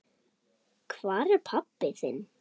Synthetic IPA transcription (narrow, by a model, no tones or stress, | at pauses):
kʰvaːðɛɾpʰapːɪθɪn